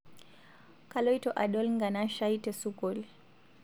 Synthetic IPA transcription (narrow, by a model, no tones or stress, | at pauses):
kalɔjtɔʔaɗɔlŋɡanaʃajtɛsukɔl